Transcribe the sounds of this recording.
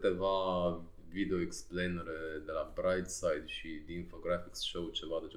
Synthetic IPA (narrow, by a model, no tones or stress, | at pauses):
t̪e̞va | vid̪eo̞eksplejnəɾed̪e̞labɾajd̪sajd̪ʃid̪infoɡɾafiksʃowt͡ʃe̞vad̪et͡ʃ